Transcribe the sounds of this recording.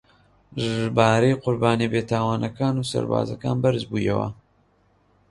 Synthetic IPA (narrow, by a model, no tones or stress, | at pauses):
ʒbaːɾejqʊɾbaːnibeːt̪ʰaːwaːnɐkaːnuːsɐ̰ɾba̰ːzɐka̰ːnbɐɾzbuːjɐ̰wɐ̰